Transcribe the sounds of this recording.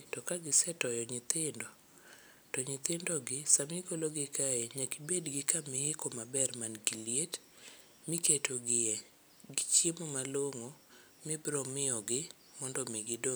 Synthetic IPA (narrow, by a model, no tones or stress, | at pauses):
tɔkaɡɪsɛtɔjɔɲɪt̪ɪndɔ | tɔɲɪt̪ɪndɔɡɪsamɪɡolɔɡɪkaeɲakibedɡɪkameɪkɔmabɛrmanɡiliet | mɪketʰoɡɪɛ | ɡɪt͡ʃemomaloŋo | mɪbɾɔmɪɔɡɪ | mɔndɔmeɡɪdo